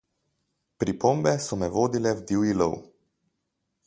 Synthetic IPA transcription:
pɾipombɛsɔmɛʋoːd̪ilɛwd̪iwilo̰w

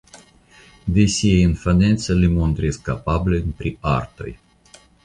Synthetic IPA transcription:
d̪esʲiejɨnfanet̪səlimont̪ɾiskapablʲenpɾia̰rt̪o̰j

